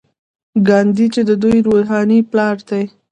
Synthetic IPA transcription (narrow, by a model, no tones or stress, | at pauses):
ɡɑnd̪it͡ʃed̪əd̪ujɾoɦɑniplɑɾd̪aj